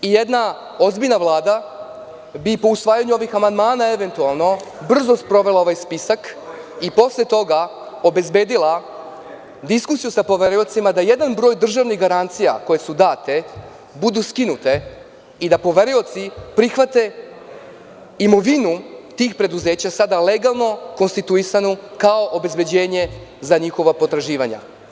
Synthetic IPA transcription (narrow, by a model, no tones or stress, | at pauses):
ije̞d̪na | o̞zbiʎnaʋlˠaːd̪a | bipo̞usʋaːjaɲuo̞ʋixamand̪maːnae̞ʋe̞nt̪ualˠno̞br̩zo̞spɾo̞ʋe̞lˠao̞ʋajspisakipo̞slet̪o̞ɡa | o̞be̞zbe̞ːd̪ila | d̪iskusijusapo̞ʋe̞ɾio̞t̪simad̪aje̞d̪anbɾo̞ːjd̪r̩ʒaʋniɣɡaɾant̪sija̰ko̞je̞sud̪aːt̪e | bud̪uskinut̪e̞ | id̪apo̞ʋe̞ɾio̞t̪sipɾixʋat̪e̞ | imo̞ʋinut̪iːxpɾe̞d̪uze̞ːt͡ɕasad̪ale̞ɡalˠno̞ko̞nst̪it̪uisanukao̞ʔobe̞zbe̞d͡ʑe̞ːɲe̞zaɲixo̞ʋapo̞t̪ɾaʒiːʋaɲa̰